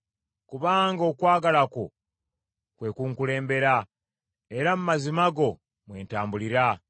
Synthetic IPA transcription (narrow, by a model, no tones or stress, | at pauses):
kuβaːŋɡo̞ːkwaːɡalako̞̰ | kwe̞kuːŋkule̞ːmbe̞ɾa | e̞ɾamumazimaɡo̞ | mwe̞ːntaːmbuliɾa